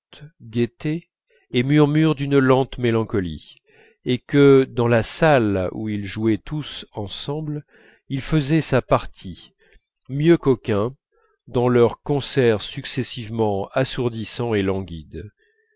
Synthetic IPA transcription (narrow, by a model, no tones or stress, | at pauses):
ɡʲet̪eː | myʁmyʁd̪ynlɑ̃t̪melɑ̃kɔlḭ | ekəd̪ɑ̃lasalṵilʒuɛt̪ʰusɑ̃sɑ̃bl | ilfəzɛsapaʁt̪ʰi | mjøkɔkʲɛ̃ | d̪ɑ̃lœʁkɔ̃sɛʁsyksɛsivmɑ̃asuʁd̪isɑ̃elɑ̃ɡʲid̪